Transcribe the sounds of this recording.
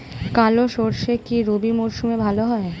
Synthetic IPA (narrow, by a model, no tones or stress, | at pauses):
kaloʃoɾʃekiɾobimoɾʃumebʱaloɦɔe